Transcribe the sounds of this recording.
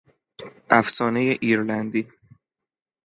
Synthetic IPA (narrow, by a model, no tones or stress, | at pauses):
ʔæfsɒːne̞jeʔiːɾlænd̪iː